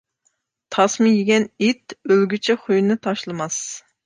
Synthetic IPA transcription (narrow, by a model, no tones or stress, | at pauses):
t̪ʰɑsmɨjiɡʲɛnit̪ølɡʲyt͡ʃʰɛχujnɨt̪ʰɑʃlˠɨmɑs